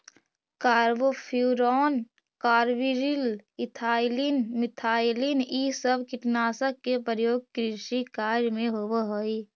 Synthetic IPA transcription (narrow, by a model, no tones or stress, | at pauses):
kaːɾʋopʰuːɾɔːn | kaːɾʋiɾilɪt̪ʰaːɪlinmɪt̪ʰaːɪlinisəbʱkɪʈnaːsəkkːepəɾjoːɡ̚kɾɪʃikaːɾjmẽɦoʋəɦoi